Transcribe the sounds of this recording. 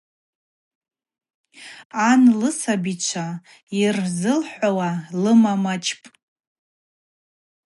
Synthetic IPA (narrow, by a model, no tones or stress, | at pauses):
anlɨsabit͡ʃʷʰa | irzɨlħʷawalɨmamat͡ʃʰʼpʼ